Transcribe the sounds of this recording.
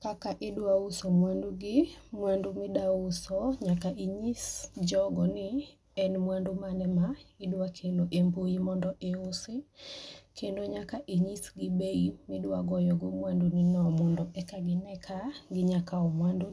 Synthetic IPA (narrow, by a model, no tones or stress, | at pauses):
kakaʔɪdwausomwanduɡɪmwandumɪdaʊsɔɲakaʔiɲisd͡ʒɔɡɔnɪ | ɛnmwandumanɛmaɪdwakʰeloʔemboimɔndɔʔeʊsɪ | kʰendoɲakaʔiɲisɡɪbeimɪdwaɡɔjɔɡɔmwandunɪnɔmɔndɔʔɛkaɡɪnɛkʰaɡɪɲakaɔmwandu